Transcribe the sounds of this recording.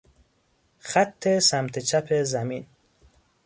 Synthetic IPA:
xæt̪ʰːesæmt̪ʰet͡ʃʰæpʰezæmiːn

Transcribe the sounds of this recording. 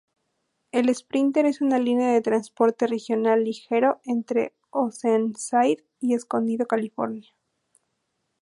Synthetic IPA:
e̞le̞spɾint̪e̞ɾe̞sunalineaðe̞t̪ɾanspo̞ɾt̪e̞re̞xjo̞nalːixe̞ɾo̞ent̪ɾe̞̰ | osensajð | ie̞sko̞nd̪iðo̞kalifo̞̰ɾnja

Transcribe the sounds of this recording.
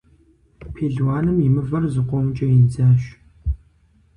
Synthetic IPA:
pʰeːɮwaːnɨmimɨvɐrzɨqʷɔmt͡ʃʼɐjɪnd͡zaːɕ

